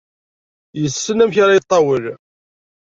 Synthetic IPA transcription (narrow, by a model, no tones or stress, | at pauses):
jəsːənæmçaɾɑjət̪ˤːɑwəl